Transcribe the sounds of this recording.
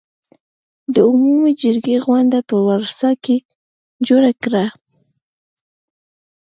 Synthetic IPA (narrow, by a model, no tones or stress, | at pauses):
d̪əʊmumed͡ʒəɾɡeɣwand̪apəwaɾsɑke | d͡ʒoɾakɾa